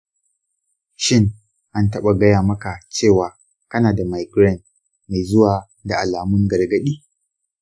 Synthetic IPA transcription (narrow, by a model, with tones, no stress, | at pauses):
ʃɪ˦ŋ | ʔa˦ntɐ˦ɓa˨ɡɐ˦jaː˨mɐ˦ka˨t͡ʃeː˦˨waː˨ | kɐ˦naː˨da˨ma˨jɡɾɛ˦˨n | ma˨jzʊ˦waː˨ | da˨ʔa˨laː˨mʊ˦ŋɡɐ˨rɡɐ˦ɗiː˦